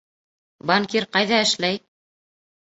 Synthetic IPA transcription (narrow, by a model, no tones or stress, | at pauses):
baŋkiɾqɑjðɑɘ̆ʃlæj